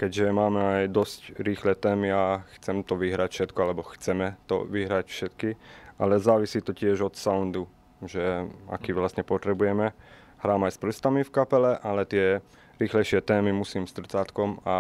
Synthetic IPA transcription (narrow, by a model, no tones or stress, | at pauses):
kɛɟʒɛmaːmɛajd̪ɔscɾiːxlɛt̪ɛːmiaxt͡sɛmt̪ɔʋiɦɾacfʃɛt̪kɔalɛbɔxt͡sɛmɛt̪ɔ̰ʋiɦɾacfʃɛt̪kia̰lɛzaːʋisiːt̪ɔcɪɛʒɔt̪saund̪u | ʒɛa̰kiːʋlast̪ɲɛpɔt̪ɾɛbujɛmɛ | ɦɾaːmajsp̩st̪amifkapɛlɛʔalɛt̪ɪɛ | ɾiːxlɛjʃɪɛt̪ɛːmimusiːmst̪r̩t͡saːt̪kɔma